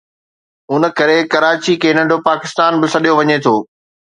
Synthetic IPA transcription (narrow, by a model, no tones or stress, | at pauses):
ʊnə̆kɐɾekɐɾaːt͡ɕikʰeːnɐ̃ɖʱopaːkɪst̪aːnbɪsɐɗijoʋɐɲet̪ʰoː